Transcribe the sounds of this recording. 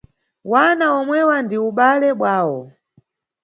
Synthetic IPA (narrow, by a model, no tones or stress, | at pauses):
wanaɔmwɛwandiuɓalɛɓwaːwɔ